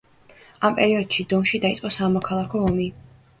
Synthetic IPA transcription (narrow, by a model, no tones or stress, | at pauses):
ampʼɛɾiɔd̪̥ʃid̪ɔnʃid̪ait̪sʼqʼɔsamɔkʰalˠakʰɔɔmi